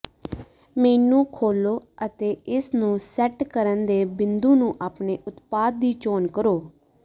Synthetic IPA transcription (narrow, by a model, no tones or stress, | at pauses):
meːnũːkʰoːloːət̪eːɪsnũːsɛʈkəɾənd̪eːbɪnd̪ũːnũːʔaːpneːʔʊt̪paːd̪̚ːiːt͡ʃoːnkəɾoː